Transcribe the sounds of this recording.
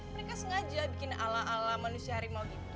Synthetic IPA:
məɾekasəŋad͡ʒabikɪnalaalamanusiaɾimalɡit̪

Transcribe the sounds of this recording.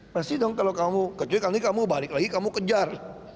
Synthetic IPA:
mɐsid̪ɔŋkɐlokamukɐt͡ʃoikanikamubaːɾiklaːɡikamukəd͡ʒaɾ

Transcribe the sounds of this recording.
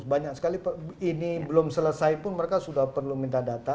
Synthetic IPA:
sbaɲak̚sə̥kalipəinibəlʊmsələsajpʊnməɾekasudahpərlumint̪adat̪a

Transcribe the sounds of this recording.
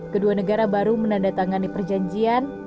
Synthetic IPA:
kəduanəɡaɾabaɾumənandat̪aŋanipərd͡ʒaɲd͡ʒian

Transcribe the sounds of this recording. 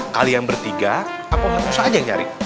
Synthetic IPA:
kalijaŋbərt̪iɡa | apawmausaad͡ʒajŋt͡ʃa̰ɾḭ

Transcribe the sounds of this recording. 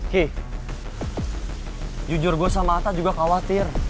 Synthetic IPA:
ki | d͡ʒud͡ʒʊrɡuasamaːt̪ad͡ʒuɡakawat̪ɪr

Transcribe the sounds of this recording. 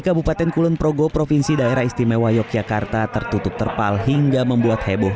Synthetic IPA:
ikabupat̪ɛnkulʊnpɾoɡopɾofinsidaeɾahist̪imewajɔkiakart̪at̪ərt̪ut̪ʊp̚t̪ərpalɦiŋɡaməmbuat̪hebɔ

